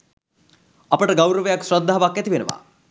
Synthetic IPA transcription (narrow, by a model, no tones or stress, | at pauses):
ɐpɐʈɐɡɐwɾɐʋɐjaksɾɔd̪ʱːaɦɐbakːɐt̪iʋenuʋa̰